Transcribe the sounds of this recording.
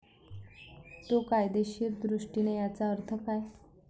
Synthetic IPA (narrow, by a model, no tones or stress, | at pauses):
t̪okajd̪eɕiːɾd̪ɾuʂʈinejat͡saəɾt̪ʰəkaj